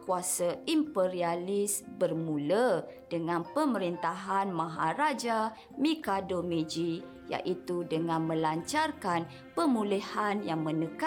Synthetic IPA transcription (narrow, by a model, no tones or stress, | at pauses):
kuasaimpeɾialisbərmulə | d̥əŋãnpəməɾint̪aɦanmãɦaɾad͡ʒa | mĩkadomed͡ʒi | ja̰ʔit̪udəŋãnmə̃laɲt͡ʃarkan | pəmulihanjaŋmə̃nəka